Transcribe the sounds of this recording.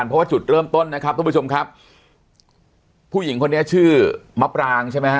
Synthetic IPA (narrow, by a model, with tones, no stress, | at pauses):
npʰɾɔ˦˥waː˥˩t͡ɕu˨˩t̪̚ɾɤː˥˩mt̪o˥˩nːa˦˥kʰa˦˥p̚t̪ʰːt͡ɕo˧mkʰa˦˥p̚ | uː˥˩ji˩˦ŋkʰo˧nːi˦˥ɐt͡ɕʰɯː˥˩ma˦˥p̚ɾaː˧ŋt͡ɕʰa˥˩jma˦˥ja˦˥